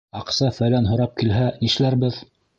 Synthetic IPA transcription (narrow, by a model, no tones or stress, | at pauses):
ɑqsɑfælænɦŏɾɑp̚kilɦæniʃlæɾbɘð